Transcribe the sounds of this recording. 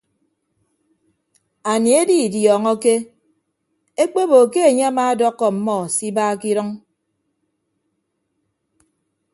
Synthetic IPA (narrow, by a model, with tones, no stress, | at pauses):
a˨ni˨e˦di˦˨djɔː˨ŋɔ˦ke˦ | e˦k͡pe˦bo˨ke˦e˨ɲe˦a˦maː˦dɔ˦kːɔ˨m̩˨mɔ˦˨si˦baː˦ki˦ɾɨ˦ŋ